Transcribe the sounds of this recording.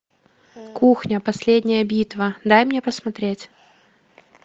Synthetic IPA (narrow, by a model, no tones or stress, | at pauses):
kuxnʲəpɐsʲlʲedʲnʲɪjəbʲit̪vəd̪ajmnʲepəsmɐt̪ɾʲetʲ